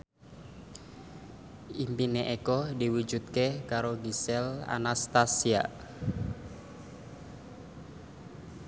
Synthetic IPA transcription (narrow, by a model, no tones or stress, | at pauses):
impineʔekɔdiwud͡ʒut̪̚kekaɾoɡisɛla̰nast̪asia̰